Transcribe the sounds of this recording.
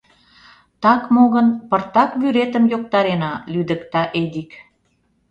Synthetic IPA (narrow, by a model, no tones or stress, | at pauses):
t̪ɑkmoɣənpərt̪ɑkβyɾet̪əmjok̚t̪ɑɾenɑlyd̪ə̆kt̪ɑʔed̪ik